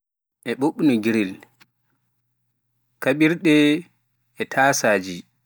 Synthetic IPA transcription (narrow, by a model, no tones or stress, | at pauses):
ʔɛɓoɓːunɔɡiɾil | kaɓiɾɗɛː | tʰaːsaːd͡ʒi